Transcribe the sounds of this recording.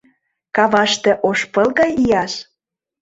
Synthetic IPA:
kɑβɑʃt̪ĕʔoʃpɤ̆lˠɣɑjijɑʃ

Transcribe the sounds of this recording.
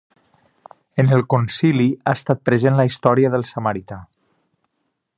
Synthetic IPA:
ənəlˠkonsiliast̪at̪̚pɾəzenlaist̪ɔɾiəðəlˠsəməɾit̪a

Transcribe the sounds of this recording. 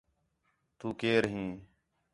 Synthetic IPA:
t̪uːkeːɾɦĩː

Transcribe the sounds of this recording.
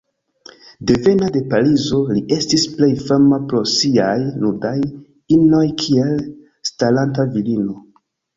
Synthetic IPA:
de̞ve̞nade̞palizo̞liʔe̞stisple̞jfamapɾo̞siajnudaj | ino̞jkʰie̞l | stalantavilino̞

